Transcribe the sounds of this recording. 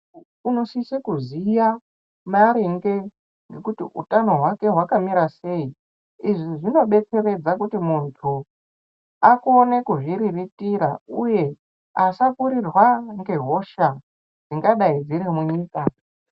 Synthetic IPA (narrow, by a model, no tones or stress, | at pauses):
uno̞sisekuzija | maɾiŋɡe | ŋɡe̞kutiʔutano̞ɦwake̞ɦwakamiɾase̞i | iʐiʐino̞ɓe̞t͡se̞re̞d͡zakutimuntʰu | ako̞ne̞kuʐiɾiritiɾauje̞ | asakuɾirwaŋɡe̞ɦo̞ʃa | ʐiŋɡaɗaid͡ziremuɲiːka